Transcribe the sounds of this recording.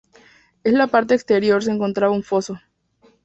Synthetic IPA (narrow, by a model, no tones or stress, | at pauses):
e̞slapaɾt̪e̞ːkst̪eɾjo̞ɾs̬eeŋko̞nt̪ɾaβauɱfo̞so̞